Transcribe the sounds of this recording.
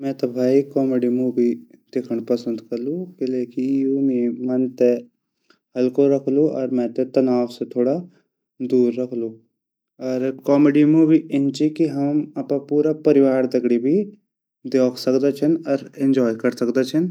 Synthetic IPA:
mɛ̃ːt̪ɔbʱaːikɔːmeɖimuːʋid̪̥ekʰəɽ̃pɐsə̃nd̪kɐɾlũkɪleːkijuːnimɐnt̪e | ɦɐlkoɾɐkʰluɔːɾmɛ̃ːt̪ẽt̪ɐnaːʋset̪ʰoːɽa | d̪uːɾːɐkʰlu | ɔːɾkɔːmeɖimuːʋiɪnt͡ʃikiɦɐmɐpãpuːɾapɐɾɪʋaːɾd̪ɐɡɽibʱi | d̪eːkʰsɐkd̪et͡ʃʰənɔːɾɪ̃ɲd͡ʒɔːjkɐɾsɐkd̪et͡ʃʰən

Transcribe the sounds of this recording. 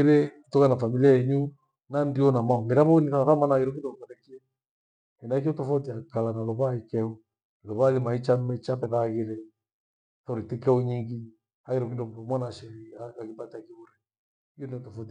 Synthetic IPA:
iɾɛ | tɔkanafamiliaɛɲu | nandiɔnamaɔmɛɾaβɔniθaθamanaɣiɾɔkindɔmtɔɾɛkiɛ | ɛnak̬ɔtɔfɔtiakalanalɔβaikɛɔ | lɔβalimait͡ʃamɛt͡ʃapɛðaːɣiɾɛ | tɔɾitikɛɔɲiŋɡi | aɣiɾɔkindɔmɔmwanaʃɛɾiaakipatiakiuɾɛ | ijuniɔtɔfɔti

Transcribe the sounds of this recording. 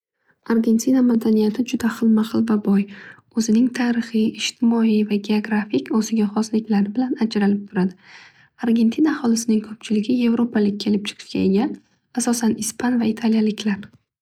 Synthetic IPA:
aɾɡʲe̞nt̪ʰinamad̪anijat̪ʰɪd͡ʒʊd̪aχɨlˠmaχɨlˠvabɒj | ɵzɪnɪŋt̪ʰaːɾɨχijɪʃt̪ʰɪmɒijvaɡʲe̞oɡɾafɪkʲɒsɪɡʲaχɒslɪkʲlaɾɪbɪlanad͡ʒɾalɪp̚t̪ʰʊɾad̪ɪ | aɾɡʲe̞nt̪ʰinahɒlɪsɪnɪŋkʰɵp̚t͡ʃʰɪlɪɡʲɪje̞vɾopʰalɪk̚ʲːʰe̞lɪp̚t͡ʃʰɨ̥qʰɨ̥ʃkʲaeɡʲan | asɒsanɪspʰanvait̪ʰaljalɪkʲʰlaɾ

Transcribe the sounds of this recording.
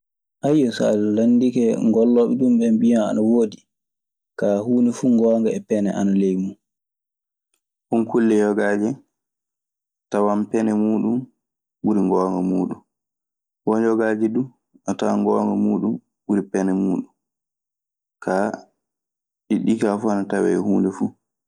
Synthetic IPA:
ʔajɔsa̰llanːdikɛŋɡɔlːɔːɓɛɗumɓɛmbijaa̰nawoːdi | kahuːnifuŋɡɔːŋɡaɛpɛnɛ̰ʔa̰nalejmu | hunkulːɛjɔɡaːd͡ʒɛ | tawampɛnɛmuːɗum | ɓuɾiŋɡɔːŋɡamuːɗun | wɔnd͡ʒɔɡaːd͡ʒɛdu | ʔɔtawaŋɡɔːŋɡɔmuːɗum | ɓuɾipɛnɛmuːɗum | kʰa | ɗiɗikafuanatawɛ̰ɛhuːndɛfu

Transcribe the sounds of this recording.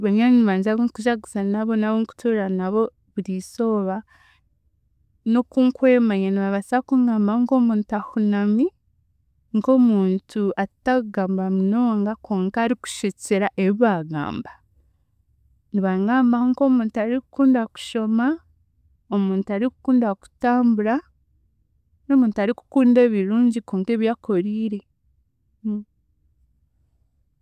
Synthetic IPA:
βeɲɲaɲiβaːɲzaβoŋkuʒaɡusanaβonaβoŋku̥tʰuɾanaβo̞ | βuɾiso̞βa | nokuŋkwe̞ːmaɲaniβaβasakuŋɡaːmbaŋko̞muːntuahunami | ŋko̞muːntʰuataɡaːmbamuno̞ːŋɡakʰoːŋkaːɾiku̥ʃet͡seɾaʔeβiβaːɡa̰ːmbḁ | niβaŋɡaːmbaŋko̞muːntuaɾikukuːndaku̥ʃo̞ma | o̞muːntuaɾikukuːndaku̥taːmbuɾa | no̞muːntuaɾiku̥kuːnde̞ːβiɾuːɲɟikoːŋke̞ːβjaːko̞ɾiːɾe̞

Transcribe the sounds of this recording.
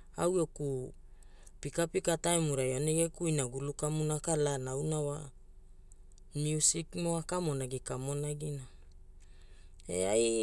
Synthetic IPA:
awoku | pikapikatajmuɾajoneɡekuinaɡulukamunakalanawnawa | mjiusikmoakamo̞naɡikamo̞naɡina | ḛaj

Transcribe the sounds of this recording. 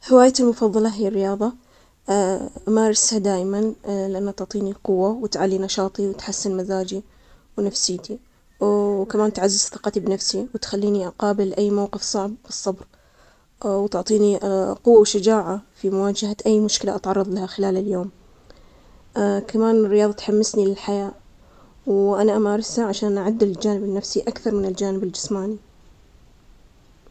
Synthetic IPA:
hɪwaːjat̪ɪlmʊfɑðˤːɑlɑɦɪjarːɪjɑːðˤɑ | ʔmaɾˤɪshad̪aːʔmanlɪʔanːat̪ʊʕt̪ˤiːniqʊwːawɪt̪ʕalːinɑʃɑːt̪ˤiwɪt̪ħasːɪnmazaːd͡ʒi | wnafsiːt̪i | wkamaːnt̪ʕazːɪzθɨqɑt̪ibnafsiwɪt̪xalːiːniʔaqɑːbɪlʔajːmawqɨfsˤɑʕbːɨsˤːɑbɾ | wt̪ʊʕt̪ˤiːniqʊwːawʃad͡ʒaːʕafimʊwaːd͡ʒahaʔajːmʊʃkɪlaʔat̪ʕɑrˤːɑðˤlahaxɪlaːlɪljoːm | kamaːnɪrːɪjɑːðˤɑt̪ħamːɪsnilɪlħajaːʔ | wʔanaʔamaːɾˤɪsaʕaʃaːnʔaʕʊd̪ːɪld͡ʒaːnɪbɪnːafsiʔakθɑɾˤmɪnɪld͡ʒaːnɪbɪld͡ʒɪsmaːni

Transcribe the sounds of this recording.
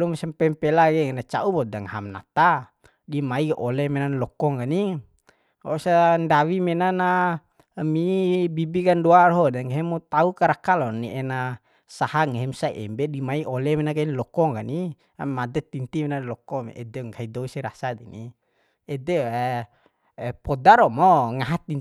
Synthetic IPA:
lumsampɛmpɛlaɡɛŋnat͡ʃa̰ubɔdaŋɦamna̰t̪a | dimaiʔɔlɛmɛnanlɔkɔŋɡani | ɔsandawimɛnana | mibibikandoaɾɔɦɔdaŋeɦɛmut̪aukaɾakalɔnḭʔɛna | sahaŋeɦɛmsaʔɛ̰mbɛdimaiɔlɛmɛnakainlɔkɔŋɡani | amad̪ɛt̪int̪imɛnalɔkɔmɛ̰ʔɛ̰dɛŋɡaidɔisiɾasad̪ini | ɛd̪ɛɛ | pɔdaɾɔmɔŋaɦat̪i

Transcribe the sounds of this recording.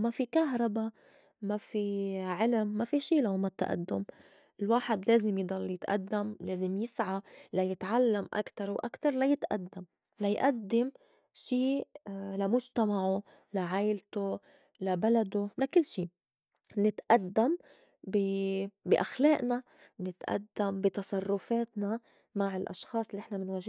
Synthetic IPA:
mafikaɦɾˤɑba | mafiʕɪlmːafiʃiːlaomat̪ːa̰ʔa̰d̪ːʊm | ɪlwaːħɪd̪leːzɪmjd̪ˤɑlːjɪt̪ʔa̰d̪ːamleːzɪmjɪsʕalajɪt̪ʕalːamʔa̰kt̪ɑɾˤwʔa̰kt̪ɑɾˤlajɪt̪ʔa̰d̪ːam | lajʔad̪ːɪm | ʃiːlamʊʒt̪amaʕʊ | laʕajlt̪o | labalad̪ʊlakɪlːʃiː | nɪt̪ʔad̪ːam | bibiʔaxleːʔna | nɪt̪ʔa̰d̪ːambit̪ɑsˤɑrˤːʊfeːt̪na | maʕɪlʔɑ̰ʃxɑːsˤlːiʔɪħnamɪnwaʒ

